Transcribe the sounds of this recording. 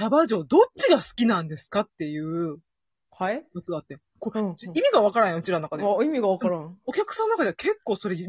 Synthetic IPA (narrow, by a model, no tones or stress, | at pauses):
tabaʑo̞ːd̪o̞t͡ɕiɡasɨ̥kʲinãnd̪e̞sɨ̥kat̪ːe̞jɯ̟ː | hjot͡sɨɡaːt̪ːe | kot͡ɕiimʲiɡaβ̞akaɾãj̃jãɯ̟t͡ɕiɾanoakad̪eimʲiɡaβakɾão̞kʲakɯ̥sãnːonakad̪eakʰe̞kːo̞ːso̞ɾe̞